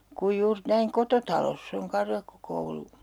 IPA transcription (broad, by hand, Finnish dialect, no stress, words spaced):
kuj juːr næiŋ kototɑlosː oŋ kɑrjɑkːokoulu